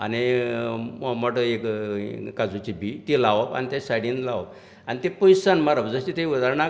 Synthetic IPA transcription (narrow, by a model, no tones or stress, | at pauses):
a̰ni | məʈekkad͡zut͡ɕibit̪ilaʋapa̰nit̪esajɽĩnlaʋa̰p | anit̪epojsanmaɾəbd͡zəɕit̪eiud̪aɾɳa